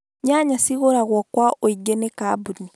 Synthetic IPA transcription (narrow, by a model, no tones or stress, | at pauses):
ɲaɲasiɣoɾaɣwakwaoiɡenekabuni